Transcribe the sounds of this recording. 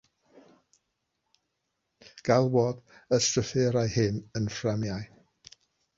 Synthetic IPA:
ɡ̥alˠwɔdəstrəfɛɾajhɪnənframjaj

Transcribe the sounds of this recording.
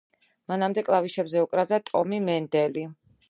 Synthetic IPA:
manamd̪ɛkʼlˠaviʃɛbzɛukʼɾazat̪ʼɔmimɛnd̪ɛli

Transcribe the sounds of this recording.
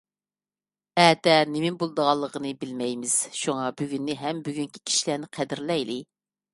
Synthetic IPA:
ɛːt̪ɛnɪmɪmbolˠd̪əʁɑlˠːəqənɨbɪlmɛjmɪz̥ʃuŋɑbyɡʲynːɪɦɛmbyɡʲyŋkʲi̥kʲʰi̥ʃilænɪqʰæd̪ɪɾlɛjlɪ

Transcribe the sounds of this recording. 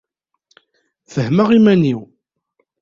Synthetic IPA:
θəhməʁimæniw

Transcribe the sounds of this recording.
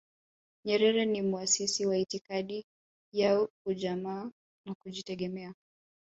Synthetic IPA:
ɲɛɾɛɾɛnimuasisiwaitikaɗi | jaɔkuʄamaː | nakuʄitɛɠɛmɛa

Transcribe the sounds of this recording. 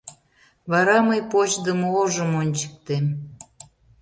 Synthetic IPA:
βɑɾɑməjpot͡ɕd̪əmooʒəmonʲt͡ɕə̥k̚t̪em

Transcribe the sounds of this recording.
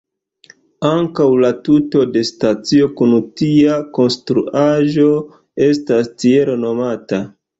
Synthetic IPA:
aŋkawlatuto̞de̞stat͡sio̞kunutiako̞nstɾuʔaʒo̞ | e̞stastie̞ɾono̞mata

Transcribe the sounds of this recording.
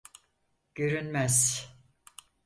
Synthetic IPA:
ɟ̥øɾynmæz̥

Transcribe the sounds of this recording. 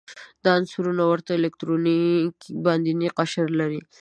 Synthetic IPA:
d̪̥ɑnsuɾunawəɾt̪aɪlek̚t̪ɾonikbɑnd̪iniqaʃəɾlaɾi

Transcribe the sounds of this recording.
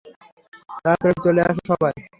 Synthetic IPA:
t̪aɾt̪ɾɔt͡ɕolea̰ʃ̬oʃɔbaj

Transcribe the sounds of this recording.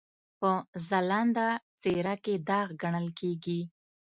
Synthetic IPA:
pəzaland̪at͡seɾaked̪ɑɣɡaɳəlkeɡi

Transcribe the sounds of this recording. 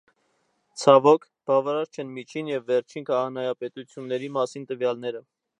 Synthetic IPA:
t͡sʰɑvɔkʰ | b̥ɑvɑɾɑɾt͡ʃʰɛnmit͡ʃʰinjɛvːɛɾt͡ʃʰinkʰɑʁɑnɑjɑpɛt̪ut͡sʰjunːɛɾimɑsint̪əvjɑlnɛɾə

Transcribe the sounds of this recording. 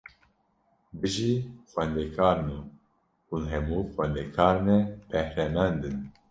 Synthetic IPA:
bɨʒiːxʷwɛnd̪ekʰaːɾnu | ulɦɛmuːxɛnd̪ekʰaːɾnɛb̥ɛhɾɛmɛnd̪ɨn

